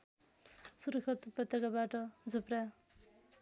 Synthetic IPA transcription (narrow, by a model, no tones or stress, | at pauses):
suɾkʰʌt̪uprʌt̪ːekabaʈʌd͡zʱupra